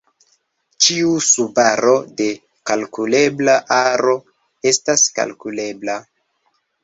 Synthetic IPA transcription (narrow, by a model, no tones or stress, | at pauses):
t͡ʃiusubaɾo̞de̞ | kalkule̞blaʔaɾo̞ | e̞staska̰lkule̞bla